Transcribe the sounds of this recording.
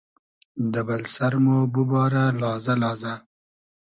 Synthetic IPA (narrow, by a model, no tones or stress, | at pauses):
d̪əbalsaɾmobubɑːɾalɑːzalɑːza